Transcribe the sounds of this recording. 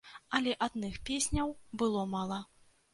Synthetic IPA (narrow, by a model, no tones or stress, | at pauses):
ɐlʲɛʔad̪nɨxpʲesʲnʲɐwbɨlˠɔmalˠɐ